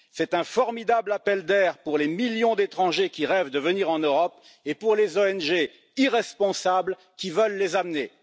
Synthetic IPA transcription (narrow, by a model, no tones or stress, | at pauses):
sɛt̪ɛ̃fɔʁmid̪ablapɛld̪ɛʁpuʁlemiljɔ̃d̪et̪χɑ̃ʒekʲiʁɛvd̪əvəniʁɑ̃nøʁɔp | epuʁlezoɛnʒe | iʁɛspɔ̃sabl | kʲivəlːezamne